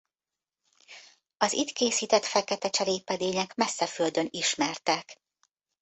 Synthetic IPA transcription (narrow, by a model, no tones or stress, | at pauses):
ɒzit̪keːsiːt̪ɛt̪fɛkɛt̪ɛt͡ʃɛɾeːpɛd̪eːɲɛkmɛsːɛføld̪ø̞niʃmɛrt̪ɛk